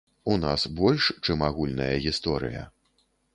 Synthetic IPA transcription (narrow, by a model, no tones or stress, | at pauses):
unasbɔlʲʂt͡ʂɨmaɣulʲnɐjɐɣʲist̪ɔɾɨ̰jɐ̰